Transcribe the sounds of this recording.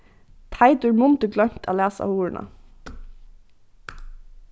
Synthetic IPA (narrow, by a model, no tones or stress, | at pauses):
t̪ʰaɪd̪ʉɹmʊnt̪əɡlœm̥t̪ʰæːlæːsʔa̰uːɹənʔa̰